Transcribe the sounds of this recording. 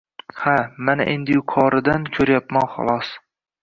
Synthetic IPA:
hamana̰ʔe̞nd̪ɪjʊkʰɒɾɪd̪ankʲʰɵɾjapmanχɒ̰lˠɒs

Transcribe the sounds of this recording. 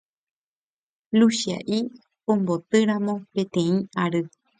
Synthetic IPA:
luʃia̰ʔi | õmbot̪ɨɾãmõ̞pẽ̞t̪ẽ̞ĩaɾɨ

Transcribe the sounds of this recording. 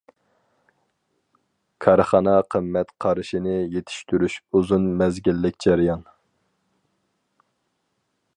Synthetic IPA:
kʰɑɾχɑnɑqʰəmːɛt̪qʰɑɾɨʃinɪjet̪ʰɪ̥ʃt̪yɾyʃuzunmɛzɡʲilːɪkʲd͡ʒæɾijɑn

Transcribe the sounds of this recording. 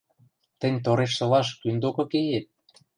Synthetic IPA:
t̪ə̆nʲt̪̬oɾeʃ̬t̪ɤ̆lɑʃkynd̪okɤ̆kejet̪̚

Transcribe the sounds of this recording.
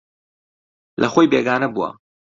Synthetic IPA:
lʔɐxoːjbeːɡaːnɐbuwa̰

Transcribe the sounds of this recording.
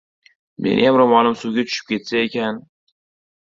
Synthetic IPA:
mʔḛnɪ̰jamɾomɒnɪmsuɡʲat͡ʃʰʊ̥ʃɪ̥p̚kʲʰe̞t̪saekʲʰan

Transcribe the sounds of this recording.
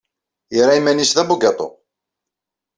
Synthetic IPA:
jəɾˤaimːænisðæbuɡɑt̪ˤo̰

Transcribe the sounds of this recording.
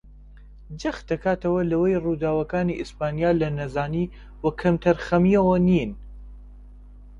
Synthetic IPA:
d͡ʒɐxd̪ɐkaːt̪ɐwɐlɐwɐjrud̪aːwɐkaːniʔɪspaːnijaːlɐnɐzaːni | wɐkʰɐmt̪ʰɐɾxɐmiɐwɐnin

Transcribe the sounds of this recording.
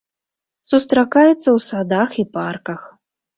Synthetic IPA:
sust̪ɾakajɛt̪sːɐwsad̪axiparkɐx

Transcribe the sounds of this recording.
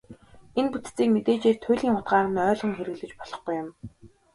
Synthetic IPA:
enput̪t͡siːkmet̪eːt͡ɕeːrt̪ʰʊjɮʲiːŋχʊt̪ɢaːʁə̆nœːɮʁɞ̆ŋxeɾɘ̆ɣɮɘ̆t͡ɕpɔɮ̥ɞ̆χɡujʊm

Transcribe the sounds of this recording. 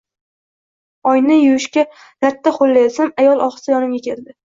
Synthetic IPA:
ɒjnɪjʊwɪʃkʲa | nat̪ːaχolːajsamajɒlˠʔɒχɨ̥sajɒnɪmɡʲakʲʰe̞ɾd̪ɪ

